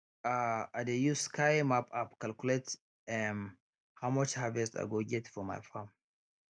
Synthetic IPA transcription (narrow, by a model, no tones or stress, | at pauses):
aadejuskaɪmapapkalkulet | ɛn | hawmat͡ʃhavɛsta̰ɡoɡɛtfɔma̰jfãm